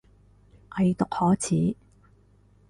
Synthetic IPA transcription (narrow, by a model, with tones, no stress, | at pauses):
ʔɐ˨jt̪ʊ˨k̚hɔː˨˥t͡sʰiː˨˥